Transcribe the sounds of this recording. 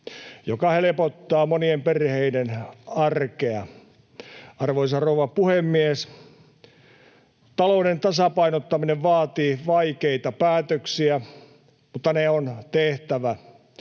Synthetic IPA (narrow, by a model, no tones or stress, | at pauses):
jokɑhelepot̪ːɑːmoniemperheidenɑrkeɑ | ɑrʋoisɑrouʋɑpuhemːies | t̪ɑlounent̪ɑsɑpɑinot̪ːɑmineʋʋɑːt̪iːʋɑikeit̪ɑpæːt̪øksiæ | mut̪ːɑneont̪eht̪æʋæ